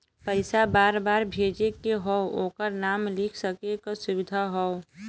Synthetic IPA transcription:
pəɪsabaːɾbaːɾbʱeːd͡ʒekeɦɔokəɾnaːmlikʰsəkekasʊʋɪd̪ʱaɦɔo

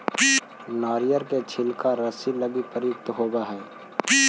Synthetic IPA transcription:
naːɾijəɾket͡ʃʰɪlkaɾəsiləɡipəɾjɪk̚t̪ɦoːbaɦɛː

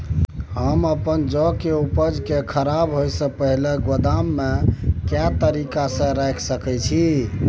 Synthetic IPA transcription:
ɦəməpənd͡ʒɔkeupəd͡ʒkekʰəɾabɦojsə̃pəɦileɡod̪amːekjat̪əɾikasə̃ɾajkʰsəkɛt͡ʃʰi

